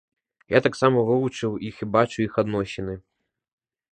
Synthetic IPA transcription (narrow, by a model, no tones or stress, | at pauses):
jat̪aksamɐvɨlˠut͡ʂɨwixibat͡ʂuixad̪nɔɕʲɪnɨ